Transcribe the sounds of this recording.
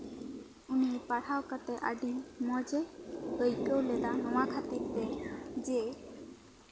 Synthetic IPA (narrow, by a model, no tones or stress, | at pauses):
unipaɽ̤awkat̪ɛʔaɖimɔd͡ʒɛɡəjkəwlɛd̪anɔwakʰat̪iɾt̪ɛd͡ʒe